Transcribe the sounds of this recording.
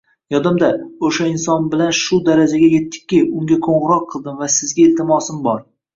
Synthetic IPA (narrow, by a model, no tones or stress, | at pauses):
jɒd̪amd̪aoʃaɪnsɒnbɪlanʃʊd̪aɾad͡ʒaɡʲaje̞t̪ːɪ̥k̚ʲːɪʊŋɡʲakʰoɴʁɨɾɒqʰːɨlˠd̪ɪmvasɪzɡʲaelt̪ʰɪmɒsɪmbɒɾ